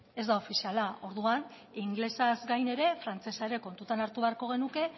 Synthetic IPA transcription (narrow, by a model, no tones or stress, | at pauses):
e̞zd̪ao̞fisialao̞ɾðuan | iŋɡlesazɡajne̞ɾe̞fɾant͡se̞saeɾe̞ko̞nt̪ut̪anaɾt̪uβe̞aɾko̞ɣ̞e̞nuke̞